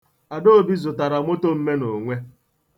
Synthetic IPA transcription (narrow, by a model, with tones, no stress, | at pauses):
a˨do˦o˦bi˦zʊ˨ta˨ɾa˨mʷo˦to˦m̩˦me˦no˨ŋʷe˦